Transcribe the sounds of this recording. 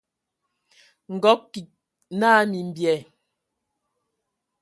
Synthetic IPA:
ŋ̩˨ɡɔ˨˦kːi˨k̚ | na˦mi˨m̩˨bjɛ˨

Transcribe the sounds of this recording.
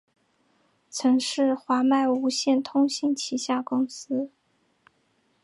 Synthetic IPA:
t͡sʰɤ˧˥ŋʂɻ̩˥˩xwa˧˥ma˥˩ɪu˧˥ɕjɛ˥˩nt̪ʰʊ˥ŋɕi˥nt͡ɕʰi˧˥ɕja˥˩kʊ˥ŋsɹ̩˥

